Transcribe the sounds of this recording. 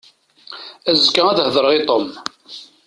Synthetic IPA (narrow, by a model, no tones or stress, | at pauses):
æzkːaæðhðˤəɾəʁit̪ˤom